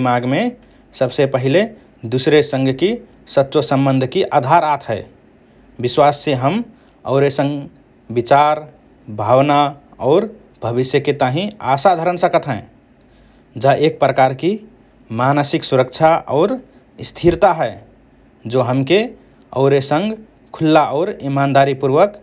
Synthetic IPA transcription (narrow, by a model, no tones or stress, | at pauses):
imaɡme | səbsepəɦile | d̪usɾesə̃ŋɡʱki | sətːʃosəmbənd̪ʱkiʔad̪ʱaɾat̪ʰɦəɪ | biswasːeɦəm | ɔ̰ʊɾesə̃ŋɡ | bit͡ʃaɾ | bʱawnaɔːɾ | bʱəβisjəket̪aɦĩasad̪ʱəɾənsəkət̪ɦɛ̃ | d͡ʒaʔek̚pɾəkaɾki | manəsiksuɾəkt͡ʃʰaʔɔ̰ʊɾ | st̪ʰiɾt̪aɦəɪ | d͡ʒoɦəmke | ɔ̰ʊɾesəŋɡ | kʰulːaʔɔʊɾimand̪aɾipuɾʋək